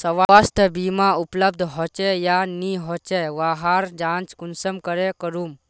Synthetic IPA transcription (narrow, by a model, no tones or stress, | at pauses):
səʋaast̪ʰəbiːmaupləb̚d̪ʱɦɔt͡ʃejaniɦɔt͡ʃeʋaɦaɾd͡ʒãt͡ʃkunsəmkəɾekəɾum